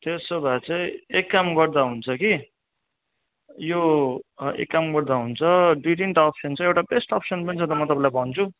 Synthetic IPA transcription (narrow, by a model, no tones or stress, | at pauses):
t̪esobʱat͡saĩekːamɡʌrd̪aɦunt͡sʰʌki | jo | ḛkːamɡʌrd̪aɦunt͡sʰʌɖiʈiɳʈʌpʰsʌnt͡sʌĩewʈabesʈʌpsʌnpʌnit͡sʰʌ̃t̪ʌmʌt̪ʌpãlajbʱʌnt͡sʰu